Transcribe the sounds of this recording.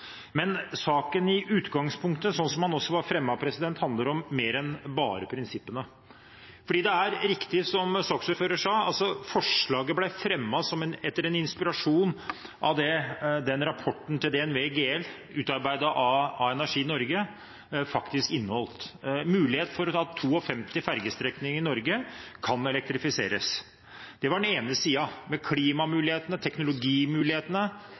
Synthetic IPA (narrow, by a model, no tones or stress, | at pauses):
mɛnsɑːkənɪʔʉːt̪ɡɑŋspʰʊŋk̚t̪əsɔnsɔmhɑnɔsːɔʋɑɾfɾɛmːɑpʰɾɛsɪd̪ɛnt̪hɑnd̪ləɾɔmːeːɾɛnbɑːɾəpʰɾɪnsɪpːənə | fɔɖiːd̪ɛæɾɾɪkt̪ɪsɔmsɑksɔføːɾəʂæɪɑ̰lsɔfɔʂɭɑːɡəblæfɾɛmːɑsɔmɛnɛt̪ːəɾɛnɪnspɪɾɑʂuːnʔɑ̰ʋd̪ɛd̪ɛnɾɑpʰɔʈːn̩t̪ɪld̪ɛɛnʋeɡeːɛl | ʉːt̪ɑɾbæɪd̪əʔɑɑɛnæʂiːnɔɾɡə | fɑkt̪ɪskɪnːəhɔlt̪mʉːlɪheːt̪nfɔɾɔt̪ʰɑːt̪ʰuːɔfɛmt̪ɪfæɾɡəst̪ɾɛknɪŋəɪnɔɾɡəkʰɑnɛlɛk̚t̪ɾɪfɪsḛːɾəs | d̪̥ɛʋɑɖɛneːnəsiːɑmɛkʰliːmɑmʉːlɪheːt̪ənət̪ʰɛknʊlʊɡiːmʉːlɪheːt̪ənə